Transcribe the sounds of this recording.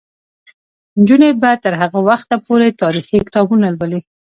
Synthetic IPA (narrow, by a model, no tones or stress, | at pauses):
nd͡ʒunebat̪əɾɦaɣawaxt̪apoɾet̪ɑɾixikɪ̥t̪ɑbunalwəli